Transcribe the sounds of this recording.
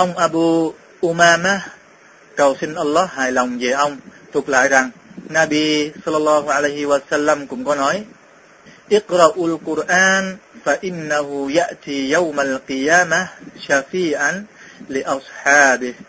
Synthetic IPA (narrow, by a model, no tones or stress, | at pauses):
ʔawŋ͡mʔabuː | ʔumaːmah | kawsinʔɑlːɑhɦaːjlawŋ͡md͡ʒeʔawŋ͡mt̪ʊk̚la̰ːjɾaŋnabisɑlːɑlːɑːɦuʕalajɦiwasalːamkʊmkɔnɔj | ʔɪqɾɑʔalqʊɾʔaːnfaʔɪnːaɦujaʔt̪ʰijawmalqɨjaːmahʃafiːʕan | lɪʔɑsħɑːbɪh